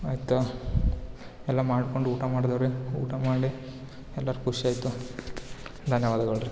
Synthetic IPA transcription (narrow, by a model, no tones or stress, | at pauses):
aːjit̪ːɐ | elːaːmaːɽukːoɳɖuuːʈɐmaːɽd̪ɐʋɐɾeṵːʈɐmaːɽi | elːaːɾkuʂiaːjt̪ːu | d̪ʱɐnjɐʋaːd̪ɐɣɐɭɾi